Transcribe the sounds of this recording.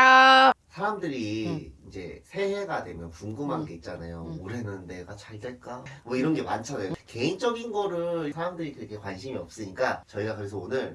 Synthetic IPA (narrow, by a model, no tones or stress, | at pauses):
asʰaɾamdɯɾiːnd͡ʑe̞̰sʰe̞he̞ɡadwe̞mjʌnpuŋɡumɦanɡe̞it̚t͡ɕ͈anajomoɾe̞nɯnːe̞ɡat͡ɕaɭdeɭk͈amʌiɾʌnɡe̞mant͡ɕʰanajoke̞int͡ɕ͈ʌɡinɡʌɾɯɭsʰaɾamdɯɾikɯɾkʰekwanɕʰimiʌ̰p̚s͈ɯɲik͈at͡ɕʌiɡakɯɾesʰʌonɯɭ